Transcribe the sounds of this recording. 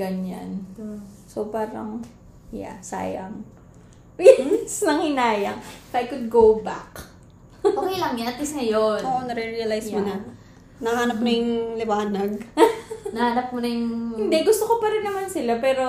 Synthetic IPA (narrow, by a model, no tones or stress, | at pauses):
ɡɐɲa̰n | sopaːɾɐ̰ŋ | ja̰sa̰ːjɐ̰m | jɛsnɐŋhɪnaːjɐŋfajkʊd̪̚ɡowbak | okejlɐŋjaɐt̪lɪsŋɐjonoʔonɐɾɛɹiɐlajsmonɐ | nɐanɐp̚nɐjʊŋlɪwaːnɐɡ̚ | nɐhanɐp̚mʊnɐjʊŋɪnd̪ɛɡʊst̪okopɐɾɪnːɐmansɪlapɛːɾo̞